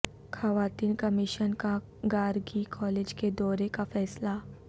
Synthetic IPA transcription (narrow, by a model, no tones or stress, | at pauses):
xɐʋaːt̪iːnkɐmɪʃənka | ɡaːɾɡikʰɔːleːd͡ʒked̪ɔːɾekafɛːsla